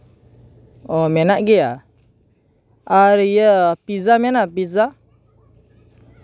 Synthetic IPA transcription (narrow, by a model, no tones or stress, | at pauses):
ɔmɛnaʔɡɛja | aɾijəpizamɛnap̬iza